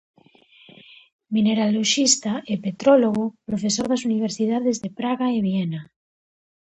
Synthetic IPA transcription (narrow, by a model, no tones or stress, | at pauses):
mineɾaloʃist̪aʔepet̪ɾoloɣopɾofe̞soɾðasuniβ̞eɾsið̞aðezðepɾaɣaeβ̞iena